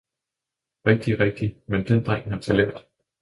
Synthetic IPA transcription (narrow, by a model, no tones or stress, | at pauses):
ʁɛɡ̥̚d̥iʁɛɡ̥̚d̥imend̥end̥ʁaŋ̰hæt͡sʰælḛd̥